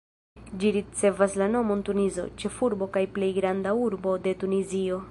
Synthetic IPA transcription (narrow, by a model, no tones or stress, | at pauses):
d͡ʒiɾit͡se̞vaslano̞mo̞ntunizo̞̰t͡ʃe̞fuɾbo̞kajple̞jɡɾandauɾbo̞de̞tunizio̞